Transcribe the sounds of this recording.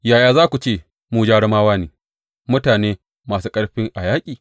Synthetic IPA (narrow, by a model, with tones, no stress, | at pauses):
jaː˨jaː˨zaː˦kʷu˨t͡ʃeː˦˨ | mu˨d͡ʒaː˦ɽɐ˦maː˦waː˦neː˨ | mʊ˦taː˨neː˦ | maː˨suː˦kʼɐ˦ɽɸɪ˦ŋʔa˨jaː˦kʲʼiː˨